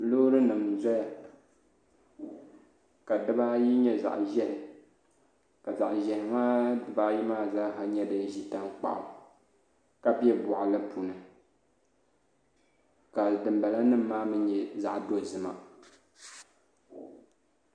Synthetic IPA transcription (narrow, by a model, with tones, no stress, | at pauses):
lo˦ɾɨ˦nɨ˨mzɛ˦ja˨ | ka˨dɨ˦ba˦ji˦ɲɛ˦za̰˨ʔʒɛ˦hɪ˨ | ka˨za̰˨ʔʒɛ˨hɪ˨ŋa˦dɨ˨ba˦ji˦maː˦˨zaː˦ka˨ɲɛ˦dɨ˨ʒi˨ta˦ŋk͡pa̰˨ʔʊ̰˨ | ka˦pi˦ɛ˦bʊ˨ʔa˨lɨ˦pʰu˨nɨ˨ | ka˨dɨ˨mba˨la˦nɨ˦m̩ː˦aː˦mɨ˦ɲɛ˨za˨ʔdo˦˨zɨ˨ma̰˨